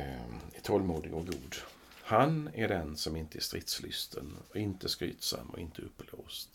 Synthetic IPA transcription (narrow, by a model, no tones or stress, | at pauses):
æʈ̪ʰɔlːmuːd̪ɪɡɔɡuːd̪ | hanæɖɛnsɔmɪnt̪əæʂt̪ɾɪt̪slʏst̪ʰənɔɪnt̪əskɾy̰ːt̪sa̰mːɔ̰ɪnt̪ʰəɵpːloːst̪